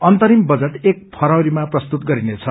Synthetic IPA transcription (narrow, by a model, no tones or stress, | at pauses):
ʌnt̪ʌɾimbʌd͡zʌʈek̚pʰʌɾʌwɾimaprʌst̪ut̪ɡʌɾinet͡sʰʌ